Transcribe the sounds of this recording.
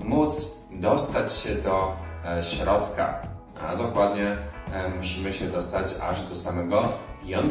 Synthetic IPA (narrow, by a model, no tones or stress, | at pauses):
mut̪s | d̪ɔst̪at͡ɕɕɛd̪ɔɕɾɔt̪ka̰ | a̰d̪ɔkwad̪ɲɛmuɕimɘɕɛd̪ɔst̪at͡ɕa̰ʐd̪ɔsamɛɡɔiɔn